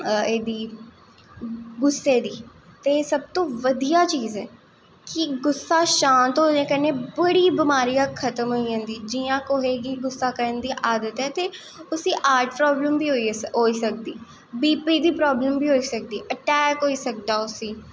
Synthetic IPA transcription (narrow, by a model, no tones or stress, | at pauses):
eːd̪iː | ɡʊsːeːd̪iː | t̪eːsəb̚t̪õːʋəd̪ijaːt͡ʃiːzɛː | kɪɡʊsːaːʃãːnt̪ɦoːnẽːkəɾneːbəɽiːbɪmaːɾijãːkʰət̪əmɦoːiãːnd̪iːd͡ʒiːjãːkoɦeːɡiːɡʊsːaːkəɾənd̪iːʔaːd̪ət̪ɦɛːt̪eː | ʊsiːʔaːɾʈʰpɾɔːbləmbiːɦoiɦoːiːsək̚d̪iː | biːpiːd̪iːpɾɔːbləmbiːɦoːiːsək̚d̪iːʔəʈɛːkɦoːiːsək̚d̪aːʊsiː